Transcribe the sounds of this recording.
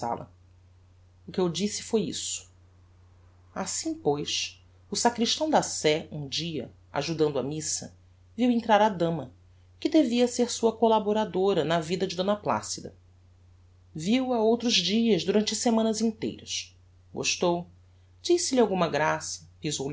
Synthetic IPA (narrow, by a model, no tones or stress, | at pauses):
a̰lɐ̰ | ʊkɪewd͡ʒisɪ̥fojḭsʊ̥ | asĩpojʃ | ʊsakɾiʃt̪ɐ̃w̃d̪asɛũd͡ʒiɐ̰ | a̰ʒud̪ɐ̃nd̪ʊamisɐ̰ | viwẽnt̪ɾaɾad̪ɐ̃mɐ | kɪd̪eviɐseɾsuɐkolaboɾad̪oɾɐnɐvid̪ɐd͡ʒɪd̪õnɐpla̰sid̪ɐ̰ | viwɐowt̪ɾʊzd͡ʒiɐzd̪uɾɐ̃nt͡ʃɪsemɐ̃nɐzĩnt̪ḛjɾɐ̰ʃ | ɡo̰ʃt̪ow | d͡ʒisɪlɪawɡũmɐɡɾasɐpizow